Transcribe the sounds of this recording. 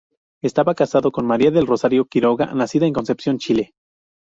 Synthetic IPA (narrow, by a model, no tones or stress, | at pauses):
est̪aβakasaðo̞ko̞nmaɾiaðe̞lro̞saɾjo̞kiɾo̞ɣa̰nasiðae̞ŋko̞nse̞psjo̞nt͡ʃile